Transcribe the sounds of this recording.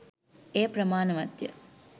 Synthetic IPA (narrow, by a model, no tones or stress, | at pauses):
eːpɾɐmaːnɐʋɐt̪jɐ̰